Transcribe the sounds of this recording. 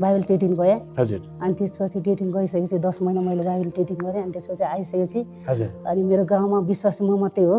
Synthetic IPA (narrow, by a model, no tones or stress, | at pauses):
bajbʌlʈeʈ̬iŋɡʌjãɦʌd͡zuɾ | ʌnit̪espʌt͡sʰiʈeʈiŋɡʌisʌket͡sʰĩd̪ʌsmʌjnamʌjlebajbelʈeʈiŋɡʌɾjẽʌnit̪espʌt͡sʰiajsʌket͡sʰĩ | ɦʌd͡zuɾʌnimeɾoɡãw̃mabiswasmʌmʌt̪ːeɦo